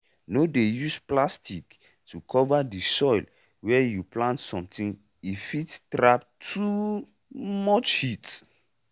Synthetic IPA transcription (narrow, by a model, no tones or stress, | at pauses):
nodejusplastik | tukʰɔvadisɔjl | wɛjuplãntsɔ̃mtĩn | ifitstɹap̚ | tʰu | mɔt͡ʃhit